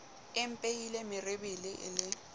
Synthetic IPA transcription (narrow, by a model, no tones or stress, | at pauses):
ɪm̩pʼejilemɪrebilɪʔɪ̰lɪ